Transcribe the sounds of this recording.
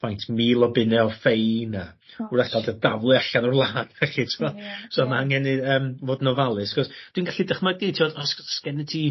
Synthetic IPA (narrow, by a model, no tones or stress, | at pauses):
pʰajntʰmiːlˠɔbɪnɛɔfejna | uɾaɡʰalˠdəd̥avlˠɨaɬanɔrlˠaːnɛχitʰɪvɔsomaaŋhɛnɨəːmvoːdnɔvalˠɨsakɔsd̥wiːnɡaɬidəχmaiːtʰiɔdɔsskɛnətʰi